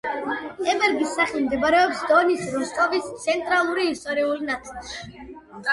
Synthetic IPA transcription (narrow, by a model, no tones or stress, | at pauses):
ɛbɛɾɡisːaχilmd̪ɛbaɾɛɔpsd̪ɔnisɾust̪ʼɔvist̪sʰɛnt̪ʼɾalˠuɾiːst̪ʼɔɾiulnat̪ʰʼilˠʃi̥